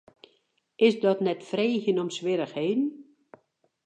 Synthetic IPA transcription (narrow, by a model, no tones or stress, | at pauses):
ʔɪsdɔtnɛtfreːçənɔmsʋɪɾəxheːdn̩